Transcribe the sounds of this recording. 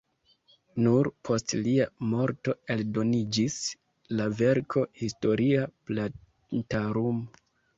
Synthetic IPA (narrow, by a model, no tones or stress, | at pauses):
nuɾpʰo̞stliamo̞ɾto̞e̞ldo̞nid͡ʒis | lave̞ɾkʰo̞histo̞ɾiapla | ntaɾumo